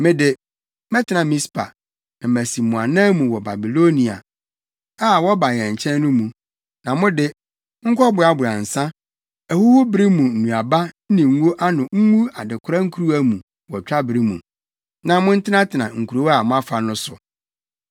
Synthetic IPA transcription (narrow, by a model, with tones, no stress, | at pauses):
mɪ̃˦dɪ˨ | mɛ̃˦tʰɪ˨nã˨mĩ˦spʰa̰˨ | mæ˨si˨mũ˨a˨nã˦mũ˨wɔ˨ba˨bi˨lo˦nĩ˨a̰˨ | aː˦˨wɔ˦ba˨ɲɛ̃˨ɲ̩˨t͡ɕʰɛ̃˦n˦nʊ̃˦mũ˨ | nã˨mʊ̃˦dɪ˦ | ŋ̩˦kʰɔ˦bʊ˨a˨bʊ˨a˨n̩˨sã˦ | æ˨hu˦hʊ˦bɪ˦ɾi˦mũ˨n̩˨nũ˨a˨ba˦n̩˦nĩ˨ŋ̩˦wo˦ʔa˦nʊ̃˨ŋ̩˦ŋu˦a˨dɪ˨kʰʊ˦ɾa˦ŋ̩˦kʰu˦ɾu˦æ˦mũ˨ | wɔ˨t͡ɕᶣa˦bɾi˦mṵ̃˨ | nã˨mʊ̃˦n̩˦tʰɪ˦nã˦tʰɪ˨nã˨ŋ̩˨kʰu˨ɾo˦a˨mʊ̃˦a˦fa˨nʊ̃˦sʊ˨